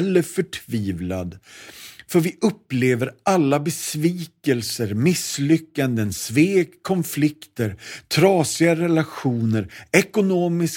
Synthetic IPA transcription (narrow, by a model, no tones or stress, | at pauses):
lːəɾfœʈʰviːvla̰d̪ | fœɾvɪʔɵpːleːvəɾʔalːabɛsviːkɛlsəɾmɪslʏkːand̪ənsveːkʰːɔnflɪkt̪əɾt̪ʰɾɑːsɪaɾɛlaɧuːnəɾɛkʊnoːmɪs